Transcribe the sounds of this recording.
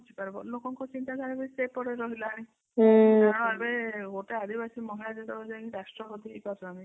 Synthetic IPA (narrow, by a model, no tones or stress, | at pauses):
t͡ʃʰipaɾebɔlokɔŋkɔt͡ʃint̪ad̪ʱaɾɔbeisepɔɾeɾɔɦilaɽ̃ĩ | aãɔ̃ebeɡoʈead̪ʱibasimɔɦilad͡ʒed̪ɔbɔd͡ʒãĩɾasʈɾɔpɔt̪iepasʰɔaɽ̃ĩ